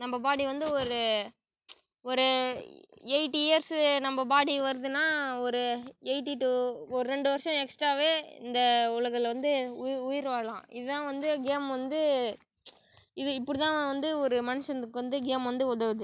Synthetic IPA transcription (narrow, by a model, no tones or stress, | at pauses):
nɐmbɐbaːɽiʋɐnd̪ɯɔɾɯ | ɔɾɯ | ɛɪʈːieːɾsnɐmbɐbaːɽiʋɐɾɯðɯnaːɔɾɯɛɪʈːiʈuːɔɾɯɾɛɳɖɯʋɐɾʂɔ̃ɛksʈɾaːʋeːɪ̰nd̪ɐʊɭɐɣɐlʋɐnd̪ɯʊʊjɪɾʋaːlãːɪðɯt̪ãːʋɐnd̪ɯɡeːmʋɐnd̪ɯ | ɪðɯɪpːɔɽɯt̪ãːʋɐnd̪ɯɔɾɯmɐnɪʂɐnɯkːɯʋɐnd̪ɯɡeːmʋɐnd̪ɯɔɽɐʋðɯ